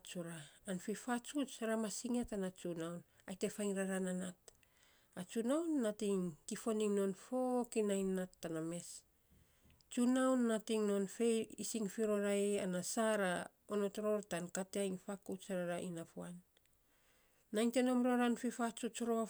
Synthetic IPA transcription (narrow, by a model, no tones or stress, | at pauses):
t͡ʃuɾaːnfifat͡ʃut͡ʃɾamasiŋatanat͡ʃunawn | ajte̞fajŋɾaɾananat̚ | at͡ʃunawnːatiŋtifo̞niŋno̞nfo̞kinajnːatːaname̞s | t͡ʃunawnːatiŋno̞nfe̞isiŋfiɾo̞ɾaeanasaɾa | ono̞tɾo̞ɾtankateajŋfakut͡ʃaɾaɾaʔinafuan | ajŋte̞no̞mɾoɾanfifat͡ʃut͡ʃɾoa